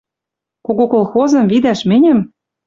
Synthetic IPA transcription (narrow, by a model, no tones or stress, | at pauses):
koɣokolxozɤ̆mvid̪æʃmĕnʲɘ̆m